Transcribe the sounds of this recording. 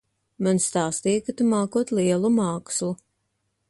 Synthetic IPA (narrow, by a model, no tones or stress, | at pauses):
manst̪aːst̪iːkat̪umaːkuɔt̪liɛlˠumaːkslˠu